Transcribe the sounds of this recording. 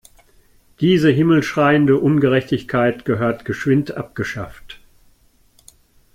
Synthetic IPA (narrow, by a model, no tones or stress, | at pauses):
d̥iːzəɦɪml̩sʃʁ̥aɪəndəʔʊnɡəʁɛçtɪçkʰaɪtɡ̥əɦøːɐtɡ̥əʃv̥ɪntʔa̰p̚ɡ̥əʃa̰ft